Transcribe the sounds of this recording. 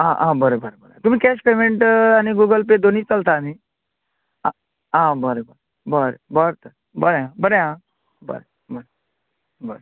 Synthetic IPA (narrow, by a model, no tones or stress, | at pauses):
ãːʔã̰ːbəɾebʱəɾebəɾeãt̪ʊm̤ĩkɛːʃpeːmeɳʈaniɡuɡəlp̬ed̪onit͡ʃɐlt̪aːniː | a | ãːbəɾebəɾe | bəɾebəɾt̪ʰə | bəɾeɦãbəɾeɦã | bə̰ɾe | bəɾe | bəɾe